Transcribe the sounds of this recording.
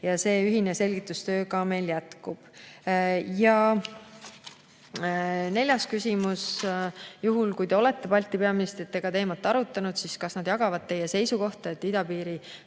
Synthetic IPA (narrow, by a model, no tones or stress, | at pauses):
jɑse̞ːyɦine̞se̞lʲɡit̪ːˑust̪ø̞ːkɑme̞jljæt̪kub̥ | jɑ | ne̞lʲjɑskysʲimus | juɦulkujd̪e̞o̞le̞t̪ːe̞pɑlʲt̪ːˑipeɑmist̪et̪ːeɡ̥ɑt̪e̞ːmɑt̪ːˑɑɾut̪ːˑɑnud̪̥siskɑsnɑd̪̥jɑɡ̥ɑvɑd̪̚t̪ːe̞jese̞jsuko̞ht̪ɑe̞t̪ːid̪ɑpiːɾi